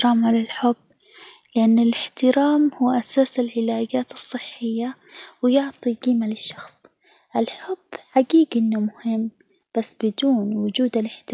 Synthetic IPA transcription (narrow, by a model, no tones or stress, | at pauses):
ɾaːmʕalalħʊbː | lɪʔanːɪlɪħt̪ɪɾaːmhuːʔasaːsɪlʕɪlaːɡaːt̪ɨsˤːɨħːɪjːawɪjʊʕt̪ˤiɡiːmalɪʃːɑxsˤ | ʔɪlħʊb̥ːħaɡiːɡʔɪnːʊmʊhɪmː | b̥asːbɪd̪uːnwʊd͡ʒuːd̪alɪħt̪ɪ